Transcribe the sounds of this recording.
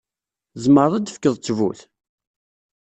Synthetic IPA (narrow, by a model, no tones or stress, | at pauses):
zməɾˤæd̪əfkːəðˤt͡sːvṵθ